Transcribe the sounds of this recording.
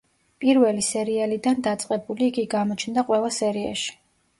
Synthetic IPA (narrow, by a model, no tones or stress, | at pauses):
pʼiɾvɛlisɛɾialid̪and̪at̪sʼqʼɛbuliːɡiɡamɔt͡ʃʰnd̪aqʼwɛlˠasɛɾia̰ʃi̥